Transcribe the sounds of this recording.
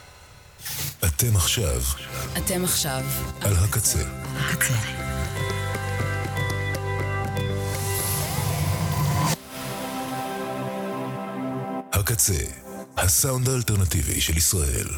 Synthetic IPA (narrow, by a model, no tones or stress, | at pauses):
ʔat̪e̞maχʃa̰vʔatemaχʃavalɦakat͡sḛhakat͡se | hakat͡sḛ | hasawndaːlteʁnat̪ivḭʃelisʁaʔe̞̰l